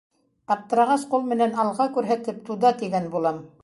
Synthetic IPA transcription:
pɑt̪ːɤ̆ɾɑʁɑsqulˠmɘ̆nænɑlˠʁɑkʉɾɦæt̪ɘp̚t̪uðɑt̪iɡænbulˠɑm

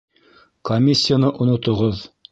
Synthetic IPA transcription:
komʲisʲːijanɤʔŏnŏt̪ŏʁoð

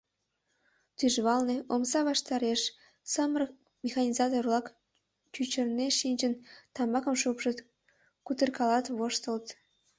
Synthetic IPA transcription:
t̪yʒβɑlneomsɑβɑʃt̪ɑɾeʃ | səmər | mʲexɑnʲizɑt̪orlɑk | t͡ɕyt͡ɕə̆rneʃinʲt͡ɕənt̪ɑmbɑkə̆mʃupʃĕ | kut̪ərkɑlɑt̪βoʃt̪ə̆lt̪

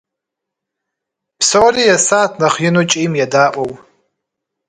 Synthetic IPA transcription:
pʰsorijasaːtʰnaχjɪnut͡ʃʼimjadaʔʷʼow

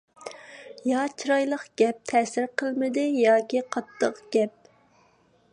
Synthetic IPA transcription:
jɑt͡ʃʰiɾɑjlˠəqɡ̥ʲɛp̚t̪ʰɛːsɪɾqəlˠmɪd̪ɪjɑːkʲiqʰɑt̪ʰːəqɡ̥ʲɛp̚

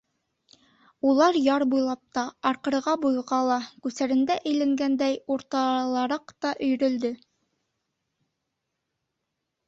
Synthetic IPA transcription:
ulˠɑɾjɑɾbujlˠɑp̚t̪ɑɑɾqɤ̆ɾʁɑbujʁɑlˠɑkʉsæɾɘ̆nd̪æʔɘ̆jlæŋɡænd̪æjuɾt̪ɑlˠɑɾɑqt̪ɑʔɵ̆jɾɵ̆ld̪ɵ

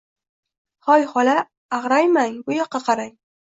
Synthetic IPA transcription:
hɒjhɒlaː | ʁɾajmaŋbʊjɒqʰːɑqʰɑɾaj

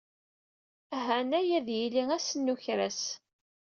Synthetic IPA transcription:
ɦænæjæðjiliæsənːuçɾæs

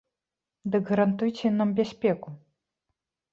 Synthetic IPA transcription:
d̪ɨkɣɐɾant̪ujt͡sʲɛnambʲasʲpʲɛku

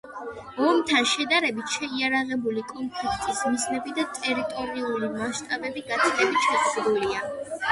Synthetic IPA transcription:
ɔmt̪ʰanʃɛd̪aɾɛbit̪ʰʃɛiaɾaʁɛbulikʼɔnpʰlikʰt̪ʼismiznɛbid̪at̪ʼɛɾit̪ʼɔɾiulimaʃt̪ʼabɛbiɡat̪st̪ʼɛbit̪ʃʰatsɾulia

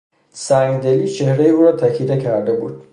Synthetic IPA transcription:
sænd̪elit͡ʃʰe̞hɾejeuːɾɒːt̪ʰækʰid̪ekʰæɾd̪ebṵːd̪̥̚

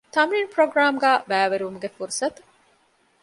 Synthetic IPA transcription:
t̪ɐminpɾoɡɾaːmɡæːbæːʋeɾuumuɡefuɾusɐt̪u̥

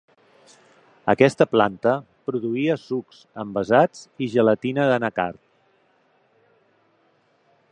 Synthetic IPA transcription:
əkɛst̪əplant̪əpɾuðuiəsuksəmbəzad͡ziʒələt̪inəðənəka̰rt̪̚

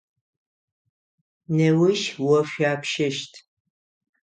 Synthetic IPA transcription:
nɐwɪʃwɐɕʷᶣaːpʰʃɐʃtʰ

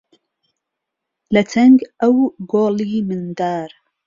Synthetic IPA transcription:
lɐt̪ʰɐŋɡʔɐwɡoːliːmɨnd̪aːɾ

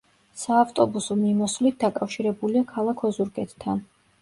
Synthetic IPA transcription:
saːft̪ʼɔbusɔmimɔsvlit̪̚d̪akʼafʃiɾɛbuliakʰalˠakʰɔzuɾɡʼɛt̪ʰʼt̪ʰːan

